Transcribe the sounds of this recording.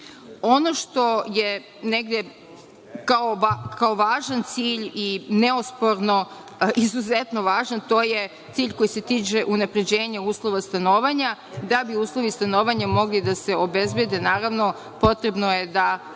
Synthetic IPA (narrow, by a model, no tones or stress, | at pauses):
o̞no̞ʃt̪o̞je | neɡd̪e | kaokaoʋaːʒant̪siːʎineospo̞ɾno̞ | izuzet̪no̞ʋaːʒant̪o̞ːje | t̪siːʎko̞jise̞t̪iːt͡ʃeʔunapɾed͡ʑeːɲeuːslˠo̞ʋast̪anoːʋaɲa | d̪abiuːslˠo̞ʋist̪anoːʋaɲamo̞ɡlid̪ase̞obe̞zbjed̪enaːɾaʋno̞ | po̞t̪ɾe̞bnoje̞d̪a